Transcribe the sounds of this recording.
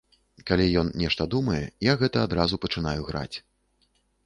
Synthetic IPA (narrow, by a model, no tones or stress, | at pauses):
kalʲijɔnnʲɛʂt̪ɐd̪umɐjɛ̰jaɣɛt̪ɐːd̪ɾazupɐt͡ʂɨn̪ajuɣɾa̰t͡sʲ